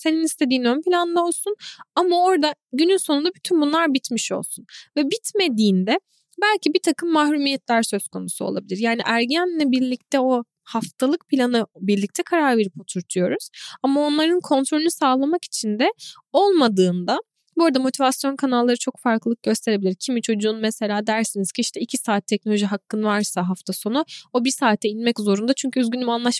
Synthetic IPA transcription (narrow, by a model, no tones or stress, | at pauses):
se̞ninist̪ʰe̞d̪iːnønpilʲand̪ao̞lˠsunamao̞ɾd̪aɟynynso̞nund̪abyt̪ʰynbunlˠaɾbit̪miʃo̞̰lˠsunvɛbit̪me̞d̪iːnd̪ɛ | bælʲcibit̪ʰakʰɯmːaɦɾumijɛt̪ʰlʲæɾsø̞zkʰo̞nusuo̞̰lˠabilʲiɾjaːniʔæɾɟænlʲɛbiɾlʲic̚t̪ʰɛo̞ | haft̪ʰalˠɯk̚pʰilʲanɯbiɾlʲic̚t̪ʰɛkʰaɾaɾve̞ɾipo̞t̪ʰuɾt̪ʰujo̞ɾuz̥amao̞nlˠaɾɯnkʰo̞nt̪ʰɾo̞lʲynusaːlˠamaki̥t͡ʃʰind̪ɛ | o̞lˠmad̪ɯːnd̪a | buɾd̪amo̞t̪ʰivasjo̞nkʰanalˠːaɾɯt͡ʃʰo̞kfaɾklɯɯk̚ɟ̥ø̞st̪ʰe̞ɾe̞bilʲiɾcʰimit͡ʃʰo̞d͡ʒuːnmɛse̞lʲaːd̪æɾsiniz̥cʰiiʃt̪ʰɛicʰisaːt̪ʰːɛc̚nolʲo̞ʒiɦakʰːɯnvaɾsaɦaft̪ʰaso̞nuo̞bisaːt̪ʰːɛinmɛczo̞ɾund̪at͡ʃʰyɲcʰyyzɟynymanlˠaʃ